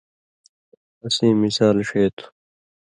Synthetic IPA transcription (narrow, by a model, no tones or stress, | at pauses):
ɐsĩːmisaːlʂeːt̪ʰu̥